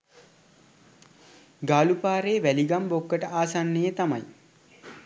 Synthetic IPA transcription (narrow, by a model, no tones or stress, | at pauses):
ɡaːlupaːɾeːʋæliɡambokːəʈəʔaːsanːejət̪amaj